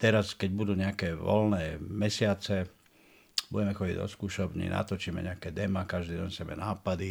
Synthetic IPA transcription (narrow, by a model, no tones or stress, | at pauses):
t̪ɛɾaskɛɟbud̪uːɲɛakɛːʋɔ̰lnɛːmɛsɪat͡sɛ | buɟɛmɛxɔɟḭɟɔ̰skuːʃɔbɲḭːna̰t̪ɔt͡ʃiːmɛ̰ɲɛakɛd̪ɛmakaʒd̪iːɟɛɲsɛbɛ̰naːpad̪i